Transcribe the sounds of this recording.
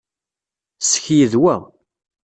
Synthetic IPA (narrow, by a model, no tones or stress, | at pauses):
sə̥çjəðwæ